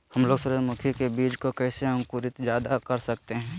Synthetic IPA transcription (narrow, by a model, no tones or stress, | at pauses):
hɐmloːɡsʊɾəmʊkʰjikebiːd͡ʒkokɛːseə̃ŋkuɾɪt̪d͡ʒjaːd̪akɐɾsɐk̚t̪eɦɛ̃ː